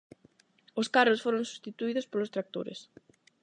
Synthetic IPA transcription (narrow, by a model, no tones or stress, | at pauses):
oskarosfoɾõŋsu̥st̪it̪uiðʊspolʊst̪ɾak̚t̪o̰ɾɪ̰s